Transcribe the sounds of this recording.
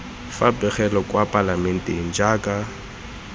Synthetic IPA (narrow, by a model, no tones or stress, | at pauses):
fapʼɛχɛlɔkʼwapʼalamɛn̩teŋ̩d͡ʒaːkʼa